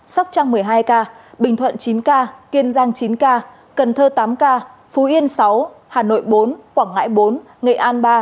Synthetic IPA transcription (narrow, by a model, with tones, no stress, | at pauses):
sa˦˥k͡p̚t͡ɕa˧ŋmɨ˨˩əjɦaː˧jkaː˧ɓï˩ŋ̟t̪ʰwə̰˧˨nt͡ɕi˨˦nkaː˧ki˧ənzaː˧ŋt͡ɕi˨˦nkaː˧ | kə˨˩nt̪ʰəː˧t̪aː˨˦mkaː˧ | fu˨˦ʔi˧ənsa˨˦whaː˨˩no̰˧˨jɓo˨˦nkwaː˧˩ŋa̰ː˧˥jɓo˨˦n | ŋḛ˧˨ʔaː˧nɓaː˧